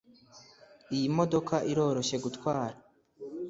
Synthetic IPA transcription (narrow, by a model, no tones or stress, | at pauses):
ijimo̞do̞kʰaʔiɾo̞ːɾo̞ʃe̞ɡutkwaːɾa